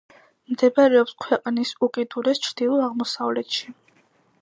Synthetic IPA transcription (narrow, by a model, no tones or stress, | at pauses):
md̪ɛbaɾɛɔpskʰwɛqʼnisukʼid̪uɾɛst͡ʃʰɾd̪̥ilˠɔaʁmɔsavlɛt̪ʃi